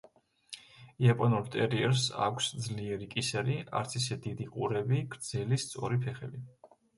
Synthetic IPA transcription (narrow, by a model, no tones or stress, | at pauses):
iapʼɔnuɾt̪ʼɛɾiɛɾsa̰kʷʰsd̪zliɛɾikʼisɛɾia̰ɾt̪sʰisɛd̪id̪iqʼuɾɛbiɡ̥ɾd̪z̥ɛlist̪sʼɔɾipʰɛχɛbi